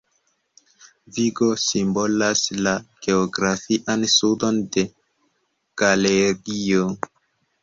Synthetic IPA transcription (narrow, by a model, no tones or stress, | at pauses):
viɡo̞simbo̞laslaɡ̥e̞oɡɾafiʔansudo̞nde̞ | ɡ̥aleɡio